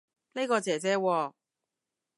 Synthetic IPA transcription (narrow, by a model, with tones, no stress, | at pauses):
ne˥kɔː˧t͡sɛː˨˩t͡sɛː˥wɔː˧